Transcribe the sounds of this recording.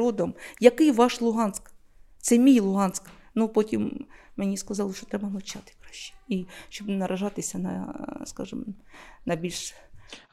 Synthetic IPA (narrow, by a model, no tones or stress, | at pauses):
ɔd̪ɔmjɐkɪjʋɑʃlˠʊɦɑnsk | t̪sɛmʲijlˠʊɦɑnsk | nupɔtʲimmenʲiskɐzɑlˠɔʃt͡ʃɔ̥t̪ɾɛbɐnˠʊt͡ʃat̪ɪ̥kɾaʃːi̥iʃt͡ʃɔbnɐɾʔɐʒɑt̪ɪsʲɐnɐ̰skɑ̰ʒɨ̰mnɐbʲilʲʃ